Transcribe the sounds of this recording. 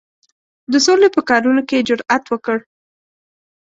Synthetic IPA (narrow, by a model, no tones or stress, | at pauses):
d̪əsolepəkɑɾunoked͡ʒʊɾat̪wəkəɽ